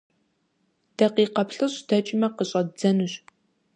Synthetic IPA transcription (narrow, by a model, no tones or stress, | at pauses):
d̥ɐqiːqɐpɬɨɕd̥ɐt͡ʃʼɪmɐqəɕʼɐd͡zɐnuɕ